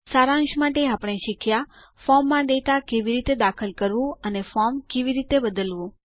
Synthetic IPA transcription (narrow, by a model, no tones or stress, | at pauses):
saɾãŋʃmaʈeapəɽ̃eʃikʰja | fɔmːãd̪et̪akeʋiɾit̪ed̪akʰəlkəɾʋũənefɔɾmkeʋiɾit̪ebəd̪əlʋũ